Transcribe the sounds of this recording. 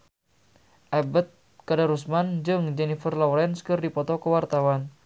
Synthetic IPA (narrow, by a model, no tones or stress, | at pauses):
ʔabət̪̚ | kadaɾusmand͡ʒɨŋd͡ʒɛnifərlɔwɾɛnskɨrdipɔt̪ɔkəwart̪awan